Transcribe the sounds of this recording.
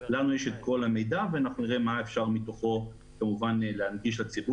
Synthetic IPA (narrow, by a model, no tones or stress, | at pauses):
lanujeʃet̪̚ko̞lame̞jdaveanaχnuniʁemaefʃaʁmit̪oχo̞ | kamuvanleanɡiʃlat͡sibu